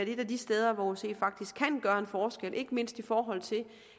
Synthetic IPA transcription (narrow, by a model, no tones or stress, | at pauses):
æɐd̥e̝d̥æd̥isd̥eð̞ˠɐʋɒse̝̰̥ːfɑ̈ɡ̥̚d̥isɡ̥ʰænɡ̥ɶːɐe̝nfɒːsɡ̥el̰ʔe̝ɡ̥əme̝n̰sd̥ifɒːɦɒ̽l̰t͡sʰe̝l